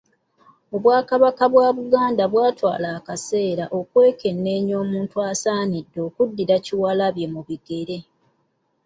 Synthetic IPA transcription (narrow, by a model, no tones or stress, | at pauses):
o̞βwaːkaβakaβwaːβuɡaːndaβwaːtwa̰ːlaːkase̞ːɾaʔo̞kwe̞ːke̞nːe̞ːɲo̞ːmuːntuasaːnidːo̞ːkudːiɾaciwaːlaβje̞muβiɡe̞ɾe̞